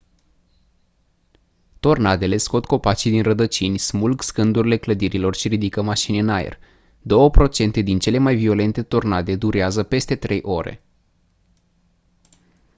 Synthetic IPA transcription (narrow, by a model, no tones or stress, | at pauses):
t̪o̞rnad̪e̞le̞sko̞t̪ko̞pat͡ʃid̪inrəd̪ət͡ʃinʲsmulɡskɨnd̪uɾile̞kləd̪iɾilo̞rʃiɾid̪ikəmaʃinɨnajḛr | d̪o̞wəpɾo̞t͡ʃe̞nt̪e̞d̪int͡ʃe̞le̞majvio̞le̞nt̪e̞t̪o̞rnad̪e̞d̪uɾeazəpe̞st̪e̞t̪ɾe̞jʔo̞ɾe̞̰